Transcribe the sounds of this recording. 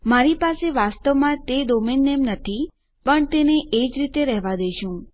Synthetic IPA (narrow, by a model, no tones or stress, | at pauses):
maɾipaseʋast̪əʋmãt̪ed̪ominːemnət̪ʰi | pəɳt̪eneʔed͡ʒɾit̪eɾɛɦʋad̪eʃũ